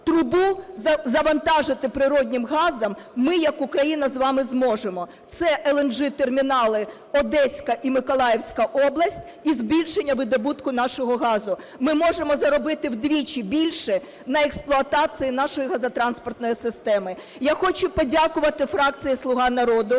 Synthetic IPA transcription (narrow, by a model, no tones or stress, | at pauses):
t̪ɾʊbuzɐzɐʋɐnt̪ɑʒɪt̪ɪpɾɪɾɔdʲnʲɪmɦɑzɐmːɪjɐkʊkɾɐjinɐzʋɑmɪzmɔʒemɔ | t̪sɛʔɛlˠɛnʒɪt̪ermʲinɑlˠɪ | ɔd̪ɛsʲkɐʔimɪkɔlˠɑjewsʲkɐʔɔblˠɐsʲtʲ | izbʲilʲʃenʲːɐʋɪd̪ɔbut̪kʊnɑʃɔɦɔɦɑzʊ | mɪmɔʒemɔzɐɾɔbɪt̪ɪwd̪ʋʲit͡ʃibʲilʲʃɛ | nɐeksplˠʊɐt̪ɑt͡s̪ɨjinɑʃɔjiɦɐzɐt̪ɾɑnspɔrt̪̚nɔjisɪst̪ɛmɪ | jaxɔt͡ʃʊpɔdʲakʊʋɐt̪ɪfɾɑk̚t͡sʲijislˠʊɦɑnɐɾɔd̪ʊ